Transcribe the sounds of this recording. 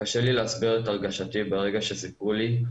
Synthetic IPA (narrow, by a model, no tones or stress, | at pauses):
kaʃelileasbiʁetaʁɡaʃatibeʁe̞ɡaʃe̞sipʁuli